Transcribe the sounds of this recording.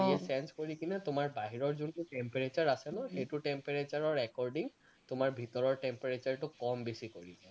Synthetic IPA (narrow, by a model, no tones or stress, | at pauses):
iɛsɛnskoɹikinɛtʊmaɹbaɦiɹɔɹzuntʊʈempeɹet͡ʃaɹasɛnʊ̃xejtuʈempeɹet͡ʃaɹɔɹɛkɔɹɖiŋ | tʊmaɹbʱitɔɹɔɹʈɛmpɛɹet͡ʃaɹtʊkɔmbesikoɹisɛ